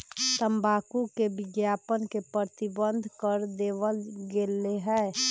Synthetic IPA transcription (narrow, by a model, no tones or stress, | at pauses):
t̪əmbʱaːkukebɪɡjapənkepɾəɾt̪ibə̃nd̪ʱkəɾd̪eʋəlɡeleɦɛ